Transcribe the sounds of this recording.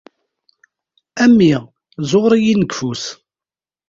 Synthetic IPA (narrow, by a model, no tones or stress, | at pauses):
æmːiʁ | zˤoʁɾˤijinəɡfus